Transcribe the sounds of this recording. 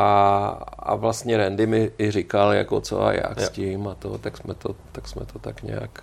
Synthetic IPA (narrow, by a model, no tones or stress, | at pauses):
ʔa | a̰vlast̪ɲɛɾɛndɪmɪɪr̝ɪkalja̰kot͡so̰a̰ja̰kscɪmat̪ot̪aksmɛt̪ot̪aksmɛt̪ot̪akɲɛ̰ja̰k